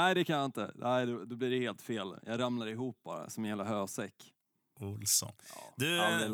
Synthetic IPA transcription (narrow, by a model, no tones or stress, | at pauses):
æɪd̪ɛkʰanjaɪnt̪ə̰nʔæɪd̪ɔd̪ɔbliɖɛheːlt̪feːljʔɑːɡɾamnaɾɪɦuːp̚b̥ɑ̰ːɾa̰sɔmɛnjɛlːəɦøːsɛkː | ʊlsɔ̰n̰ːd̪ɵad̪ɛ